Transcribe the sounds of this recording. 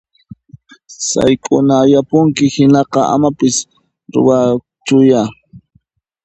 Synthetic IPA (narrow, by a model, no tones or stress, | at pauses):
sa̰jkʼʊnajapʊŋkɪhɪnɑqɑʔa̰mapɪs | ɾʊ̰wa | t͡ʃʊja